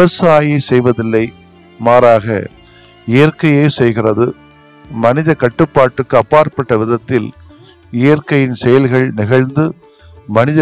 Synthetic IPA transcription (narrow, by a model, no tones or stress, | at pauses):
ɪɐsaːjɐsɛjʋɐðɪlːɐɪ | maːɾaːɣɐ̰ | ɪjɐrkɐjɐɪsɛjɣɪrɐðɯ | mɐnɪðɐkɐʈːɯpːaːʈːɯkːɯɐpːaːɾpɐʈːɐʋɪðɐt̪ːɪl | ɪjɐrkɐjɪnsɛjɐlɣɐɭnɪɣɐɻnd̪ɯ | mɐnɪðɐ